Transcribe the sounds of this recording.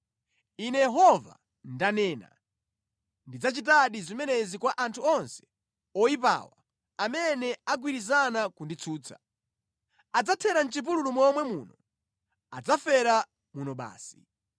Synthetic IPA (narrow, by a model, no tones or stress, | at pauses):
inɛjɛɦɔva̰ | ndanɛːna̰ | ndid͡zat͡ʃit̬aɗizimɛnɛzikwaʔantʰuɔnsɛ̥ | ɔip̬a̰ːwa | amɛnɛaɡwiɾizanakundit͡sʰuːt͡sʰḁ | ad͡zatʰɛɾan̩t͡ʃipululumɔmwɛmṵːnɔ | ad͡zafɛɾa | munɔɓa̰ːsi̥